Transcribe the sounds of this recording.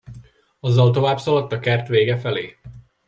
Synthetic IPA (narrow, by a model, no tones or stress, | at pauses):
ɒzːɒlt̪o̞vaːbsɒlɒt̪ːɒkɛrt̪ʋeːɡɛfɛleː